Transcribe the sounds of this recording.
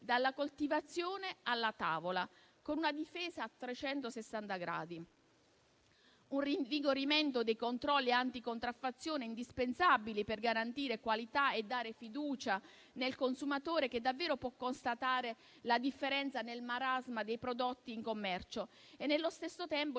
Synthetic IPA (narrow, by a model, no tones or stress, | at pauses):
d̪alːakolt̪ivat̪sːjoːnealːat̪aːvola | konunad̪ifeːzaːt̪ːɾet͡ʃɛnt̪osesːant̪aɡɾa̰ːd̪i | unriɱviɡoɾiment̪od̪ejkont̪ɾɔlːieant̪ikont̪ɾafːat̪sːjoːneind̪ispensabiliperɡaɾant̪iːɾekwalit̪aed̪ːaːɾefid̪uːt͡ʃa | nelkonsumat̪oːɾek̟ed̪avːeːɾopwɔkːonst̪at̪aːɾe | lad̪ifːeɾɛnt̪sanelmaɾazmad̪ejpɾod̪ot̪ːiːŋkomːɛrt͡ʃoenːelːost̪esːot̪ɛmpo